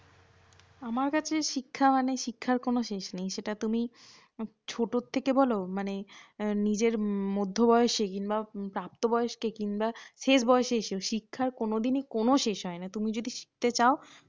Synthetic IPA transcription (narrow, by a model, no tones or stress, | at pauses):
amaɾkat͡ɕʰeʃikʰːamaneʃikʰːaɾkonoʃeʃnejʃeʈat̪umi | t͡ɕʰoʈot̪ʰːekebɔlomanenid͡ʑeɾmod̪ʱːobɔeʃekinbapɾap̚t̪obɔeeʃkekinbaʃeʃbɔeʃeeʃeoʃikʰːaɾkonod̪inekonoʃeʃɦɔenat̪umid͡ʑod̪ʱiʃi̥k̚t̪et͡ɕao